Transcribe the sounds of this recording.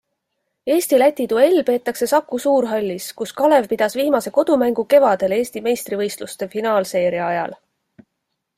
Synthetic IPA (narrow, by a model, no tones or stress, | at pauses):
e̞ːst̪ilæt̪ʲːˑit̪ue̞lʲːpe̞ːt̪ːˑɑkse̞sɑkːˑusuːɾɦɑlʲːiskuskɑle̞vpid̪̥ɑsviːmɑse̞ko̞d̪̥umæŋɡ̥uke̞vɑd̪̥e̞le̞ːst̪ime̞jst̪rivɤjst̪lust̪e̞finɑːlse̞ːɾjɑɑjɑ̰l